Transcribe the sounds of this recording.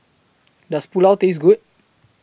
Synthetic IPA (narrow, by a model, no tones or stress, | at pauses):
daspulawt̪es̬ɡut̚